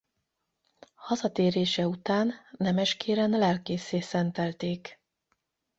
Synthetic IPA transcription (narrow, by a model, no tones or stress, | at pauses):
hɒzɒt̪eːɾeːʃɛut̪aːnːɛmɛʃkeːɾɛnlɛlkeːseːsɛnt̪ɛlt̪eːk